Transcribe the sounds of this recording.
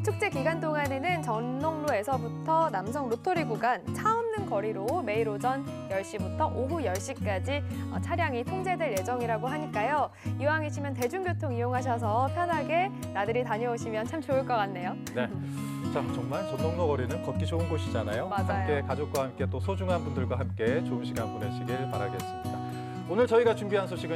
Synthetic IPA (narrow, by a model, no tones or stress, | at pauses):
tʰuk̚t͡ɕ͈e̞kiɡant͈oŋane̞nɯnt͡ɕʌnːʌŋnoe̞sʰʌbutʰʌnamsʰʌŋɾotʰoɾiɡuɡant͡ɕʰaomnɯnkʌɾiɾome̞iɾod͡ʑʌnjʌɭɕ͈ibutʰʌʔoɦujʌɭɕ͈ik͈ad͡ʑiʌt͡ɕʰaɾjaŋitʰoŋd͡ʑe̞dweɭje̞d͡ʑʌŋiɾaɡoɦaɲik͈ajo | iwaŋiɕʰimjʌnt̬e̞d͡ʑuŋɡjotʰoŋijoŋɦaɕ̬ʰʌs̬ʰʌpʰjʌnɦaɡe̞ | nadɯɾitaɲʌoɕʰimjʌnt͡ɕʰamt͡ɕoɯɭk͈ʌk͈anːe̞jo | ne̞ | t͡ɕat͡ɕʌŋmaɭt͡ɕʌndoŋnoɡʌɾinɯnkʌk͈id͡ʑounɡoɕʰid͡ʑanajomahʰaajoe̞kad͡ʑok̚k͈wahamk͈e̞t͈osʰod͡ʑuŋɦanbundɯɭɡwaɦamk͈e̞t͡ɕoumɕʰiɡanboneɕʰiɡiɭpaɾaɡe̞s͈ɯmɲida | onɯɭt͡ɕʌiɡat͡ɕumbiɦansʰoɕʰiɡɯ